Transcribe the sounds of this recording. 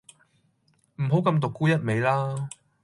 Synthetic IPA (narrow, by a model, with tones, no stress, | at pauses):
m̩˨˩ɦo˨˥wkɐ˧mt̪̬ʊ˨kːuː˥jɐ˥t̚me˨˧jlaː˥